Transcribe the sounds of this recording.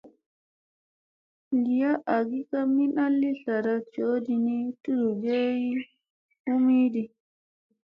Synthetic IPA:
ɡi˨ja˦ʔa˨ɡi˦ka˦mi˦na˦lːi˦ɬa˨ɾa˦t͡ʃoː˦di˨ni˦tu˦du˨d͡ʒe˦ji˦ | u˦miː˦di˨

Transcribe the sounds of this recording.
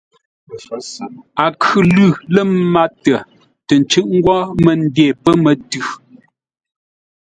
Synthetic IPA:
a˨kʰʉ˨lʉ˦˨lə˦˨m˦ma˦tə˨ | tə˨n̩˨t͡ʃʉ˦ʔ̚ŋ̩˦ɡwɔ˦mə˨n̩˦dɛ˦˨pə˦mə˨tʉ˦˨

